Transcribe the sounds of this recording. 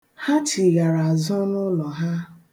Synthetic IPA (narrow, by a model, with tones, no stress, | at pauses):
ha˦t͡ʃi˨ɣa˨ɾa˨zʊ˦nʊ˦lɔ˨ɦa˦